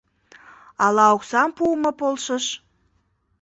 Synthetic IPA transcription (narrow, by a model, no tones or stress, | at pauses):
ɑlɑoksɑmpumə̆polʃəʃ